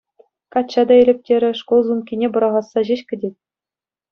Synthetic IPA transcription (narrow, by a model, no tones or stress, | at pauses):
kɑtt͡ɕːɑd̪ɑĕlʲɘ̆p̚ʲtʲeɾʲɘ̆ʂkolˠzumkʲinʲebɤ̆ɾɑʁɑsːɑʑeɕkʲɘ̆dʲet̚ʲ